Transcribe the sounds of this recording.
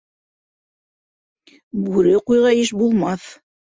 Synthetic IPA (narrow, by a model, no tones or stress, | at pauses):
bʉɾɘqujʁɑjɘʃbulˠmɑθ